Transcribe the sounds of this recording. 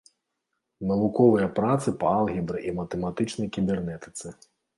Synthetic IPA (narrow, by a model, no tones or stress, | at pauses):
nɐvukɔvɨjɐpɾat̪sɨpɐalˠɣʲibɾɨʔimɐt̪ɛmat̪ɨt͡ʂnɐjkʲibʲɛrnɛt̪ɨ̥t̪sɨ